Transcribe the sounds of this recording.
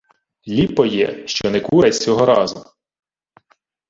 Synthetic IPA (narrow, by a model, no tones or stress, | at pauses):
lʲipːɔjɛ̰ʃt͡ʃɔnɛkuɾɛt͡sʲɔɦɔɾɑzʊ